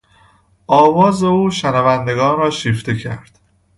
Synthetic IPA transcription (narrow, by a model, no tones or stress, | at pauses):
ʔɒːvɒːze̞uːʃænævænd̪e̞ɡɒːnɾɒːʃiːft̪e̞cʰæɾd̪̥